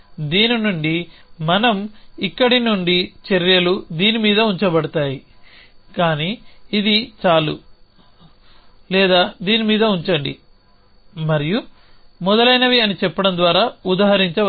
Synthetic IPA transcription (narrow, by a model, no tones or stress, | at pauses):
d̪iːninuɳɖimɐnɐmikːɐɽinuɳɖit͡ʃeɾjɐlud̪iːnimiːd̪ɐuɲt͡ʃɐbɐɽɐt̪aːji | kaːniːd̪it͡ʃaːlṵ | lɛːd̪aːd̪iːnimiːd̪ɐuɲt͡ʃɐɳɖi | mɐɾiju | mɔd̪ɐlɐjnɐʋiɐnit͡ʃɛpːɐɽɐnd̪ʋaːɾaːud̪aːɦɐɾiɲt͡ʃɐ